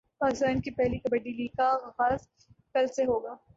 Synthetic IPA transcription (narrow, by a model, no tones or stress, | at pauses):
paːkɪst̪aːnkipɛɦlikɐbəɖiliːkaɣaːz | kɐlseɦoːɡaː